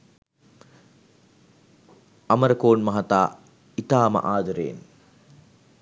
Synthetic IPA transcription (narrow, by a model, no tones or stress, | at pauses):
ɐməɾəkoːnmɐɦɐt̪aː | it̪aːmɐ̰ʔaːd̪ɐɾḛːn